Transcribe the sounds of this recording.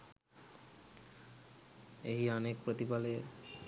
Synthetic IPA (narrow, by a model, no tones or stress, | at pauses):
eɦiɔnek̚pɾot̪ibale